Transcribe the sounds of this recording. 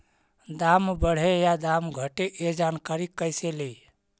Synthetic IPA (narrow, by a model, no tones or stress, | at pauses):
d̪ambəɽ̤ejad̪amɡʱəʈeʔed͡ʒankaɾikːəjsele